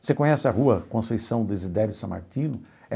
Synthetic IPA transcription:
sekõɲɛsɪɐɦuɐkõsejsɐ̃w̃d̪ezid̪ɛɾjʊsɐ̃ma̰ɾt̪ĩnʊ | ɛ

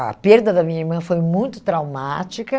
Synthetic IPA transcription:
ɐ̰peɾd̪ɐd̪ɐmĩɲɐiɾmɐ̃fojmũj̃t̪ʊ̥t̪ɾawmat͡ʃikɐ

